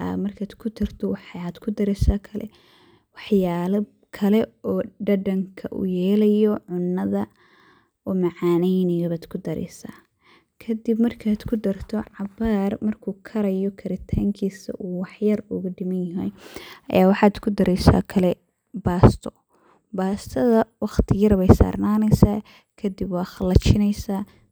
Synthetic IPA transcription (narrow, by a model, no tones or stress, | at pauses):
a̰mɐrkʰaːd̪kʰʊd̪ɐrt̪ʰɔwħaːd̪̥kʰʊd̪ɐɾɛsaːkʰɐlɛ̰ | wɑħjaːlɐ | kʰɐlɛɔːɖɐɖɐŋkʰɐʔṵːjɛːlɐjɔʕʊnːɐðɐ | ɔːmɑʕɑːnɛjnɪjɔβaːd̪̥kʰʊd̪ɐɾɛ̰jsa̰ː | kʰɐd̪ibmɐrkʰaːd̪kʰʊd̪ɐrt̪ʰɔʕɑbaːrmɐrkʰuːkʰɐɾɐjɔkʰɐɾɪt̪ʰaːŋkʰiːsɐ̰ʔuːwɑħjɐrʊɣʊɖɪmɐnjɐɦɛ̰jʔɐ̰jaːwɑħɑːd̪kʰʊd̪ɐɾɛjsa̰ːkʰɐlɛ | baːst̪ʰɔ | baːst̪ʰɐðɐwɑχt̪ʰɪjɐɾβɛjsa̰ːrnaːnɛjsaː | kʰɐd̪ɪbwɑːxɐlɐt͡ʃɪnɛjsaː